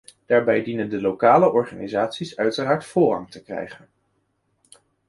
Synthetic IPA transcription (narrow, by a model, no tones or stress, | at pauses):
d̥aːɹbɛjdinəndəlowkaːləʔɔɹχa̰ːnizaːtsisœɥtəraːɹtfʊːrɑŋtəkrɛ̰jχən